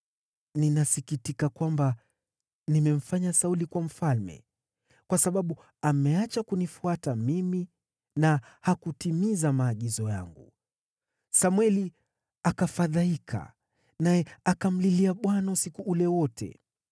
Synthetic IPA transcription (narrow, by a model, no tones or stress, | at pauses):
ninasikitikakwamba | nimɛm̩faɲasaulikwam̩falmɛ̰ | kwasaɓaɓu | amɛat͡ʃakunifuatamimi | nahakutimizamaːɠizɔja̰ŋɡṵ | samwɛli | akafaðaikʰa̰ | najɛakam̩liliaɓwanausikuʔulɛwɔtʰɛ̰